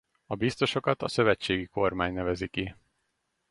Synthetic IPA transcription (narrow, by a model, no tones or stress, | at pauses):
ɒbist̪o̞ʃo̞kɒt̪ɒsø̞vɛt͡ʃːeːɡiko̞rmaːɲnɛvɛziki